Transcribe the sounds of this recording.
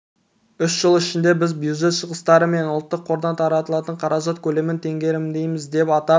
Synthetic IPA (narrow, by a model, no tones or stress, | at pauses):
ʏsʒ̥əlˠɪʃɪnd̪e̞bɪzbjuʒe̞t̪ʃəʁəst̪ɑɾəme̞nʊlˠt̪ːəqʰːo̞ɾd̪ɑnt̪ʰɑɾɑt̪əlˠɑt̪əɴqʰɑɾɑʒɑt̪kʲʰɵle̞mɪnt̪ʰe̞ŋɡʲe̞ɾɪmd̪e̞jmɪzd̪e̞pɑt̪ɑ